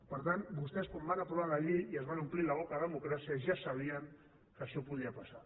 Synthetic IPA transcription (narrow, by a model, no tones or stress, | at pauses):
pəɾt̪anbust̪ɛskombanat̪ɾuβalaʎiiəzβanumplilaβɔkaðəmukɾasiaʒasaβ̞iəŋ | kəʃɔpuð̞iapasa